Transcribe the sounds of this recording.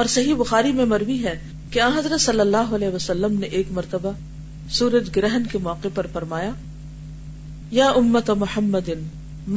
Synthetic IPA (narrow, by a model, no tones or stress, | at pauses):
ɔːɾsɐɦibʊxaːɾimẽmɐɾwiɦɛ | keãːɦɐzɾət̪sɐlːəlːaːɦoɐlɛːʋəsɐlːəmneʔeːkmɐɾt̪əba | suːɾəd͡ʒɡɪɾɛɦnkemɔːqepɐɾfɐɾmaːjaː | jaːʔʊmːət̪amʊħɐmːəd̪ɪn | m